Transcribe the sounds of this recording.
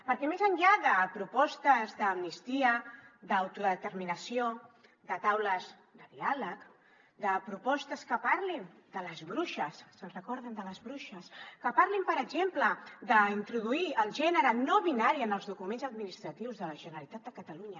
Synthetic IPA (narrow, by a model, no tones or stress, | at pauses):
pəɾkɛmezəɲʎaðəpɾupɔst̪əzðəːmnist̪iəd̪əwt̪uðət̪əɾminəsio | d̪ət̪awləz | d̪əðialək | d̪əpɾupɔst̪əskəpaɾlind̪̥ələzβɾuʃəssənsrəkɔɾðənd̪ələzβɾuʃəskəpaɾlimpəɾəɡʒempləd̪əint̪ɾuðuiəlˠʒɛnəɾənoβinaɾiənəlˠzðukumenzəd̪̚minist̪ɾət̪iwzðələʒənəlit̪at̪̚əkət̪əluɲə